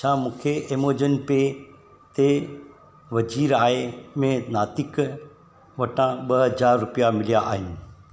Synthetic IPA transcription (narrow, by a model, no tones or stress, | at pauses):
t͡ɕʰãːmũːkʰeʔemoːd͡ʑənpe | t̪e | ʋɐd͡ʑiːɾaːɦemẽnaːt̪ɪk | ʋɐʈʰãɓɐɦɦɐd͡ʑaːɾːʊpijamɪlijaʔa̰ːɦɪnɪ̆